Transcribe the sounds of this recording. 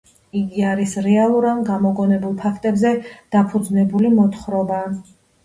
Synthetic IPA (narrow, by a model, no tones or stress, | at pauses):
iɡiaɾisɾɛalˠuɾanɡamɔkʼɔnɛbulˠpʰakʰt̪ʼɛbzɛd̪̥apʰud̪znɛbulimɔt̪ʰχɾɔba